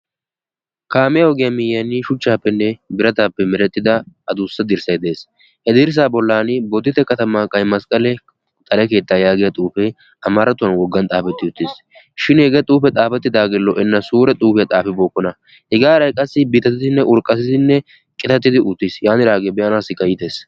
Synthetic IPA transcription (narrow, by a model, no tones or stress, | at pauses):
kaːmɪjɐhɔɡɪjɐmɪjːɐnːɪʃʊt͡ʃːaːpːɛnːɛbɪɾɐt̪aːpːɛmɪɾɛt̪ːɪd̪ɐɐd̪usːɐd̪ɪɾsɐjd̪eːs | hɛd̪ɪɾs̬aːbɔlːaːnɪbɔd̪ːɪt̪ɛkɐt̪ɐmaːkʼɐjmɐskʼɐlɛ | t̪ʼɐlɛke̞ːt̪ːaːjaːɡɪjɐt̪ʼuːfɛ | ɐmɐɾɐt̪ʊɐnwɔɡːɐnt̪ʼaːfɛt̪ːɪʊt̪ːɪs | ʃɪnhɛɡɛt̪ʼuːfɛt̪ʼaːfɛt̪ːɪd̪aːɡɪlːɔʔɛnːɐsuːɾɛt̪ʼuːfɪjɐt̪ʼaːfɪboːkːɔnɐ | hɛɡaːɾɐjkʼɐsːɪbiːt̪ːɐt̪ːɪt̪ɪnːɛʔʊɾkʼɐsɪt̪ɪnːɛ | kʼɪt̪ɐt̪ːɪd̪ɪʊt̪ːɪsjaːnɪɾaːɡebɛʔɐnaːsɪkʼɐjɪt̪eːs